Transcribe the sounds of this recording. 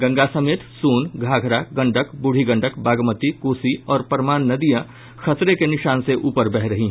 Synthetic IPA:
ɡə̃ŋɡasəmeːt̪suːnɡʱaːɡʱɾaɡɐ̃ɳɖəkbuɽ̤iɡə̃ɳɖəkbaːɡmət̪ikoːsiɔːɾpəɾmaːnːəd̪ijə | kʰɐt̪ɾekenɪʃaːnseʔuːpəɾbɛɦɾəɦĩɦ

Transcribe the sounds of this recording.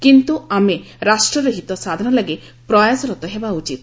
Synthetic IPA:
kint̪uameɾasʈɾɔɾeɦit̪ɔsad̪ʱɔnɔlaɡe | pɾɔjasɔɾɔt̪ɔɦebaut͡ʃit̪

